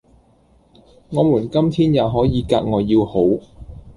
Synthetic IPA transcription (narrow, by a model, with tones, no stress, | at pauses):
ŋɔː˨˧muː˨˩nkɐ˥mt̪ʰiː˥njaː˨˧ɦɔː˨˥jiː˨˧kaː˧k̚ŋɔː˨˧jiː˧who˨˥w